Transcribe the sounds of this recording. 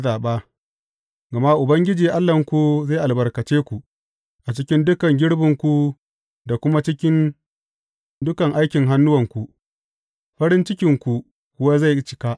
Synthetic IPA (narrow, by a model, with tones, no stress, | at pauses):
zaː˨ɓaː˦ | ɡa˨ma˦ʔʊ˨bɐ˦ŋɡʲɪ˦d͡ʒiː˨ʔa˦lːɐ˨ŋkʷu˨za˦˨ʔa˨lbɐ˨rkɐ˨t͡ʃeː˦kʷu˨ʔ | ʔa˨t͡ʃɪ˦kʲɪ˦ndʊ˦kɐ˨ŋɡʲɪ˦ɽbɪ˨ŋkʷu˦ | da˨kʷʊ˦ma˦t͡ʃɪ˦kʲɪ˦n | dʊ˦kɐ˨ŋʔa˦jkʲɪ˨ŋɦa˦nːʊ˦wɐ˨ŋkʷu˨ | ɸɐ˦ɾɪ˦nt͡ʃɪ˦kʲɪ˨ŋkʷu˨ | kʷʊ˦waː˦za˦˨jt͡ʃɪ̥˦ka˦ʔ